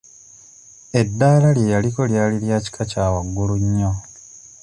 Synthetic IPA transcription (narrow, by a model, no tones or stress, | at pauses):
e̞dːaːlaljejaliko̞ljaːliljaːci̥kʰacaːwaɡːuluɲːo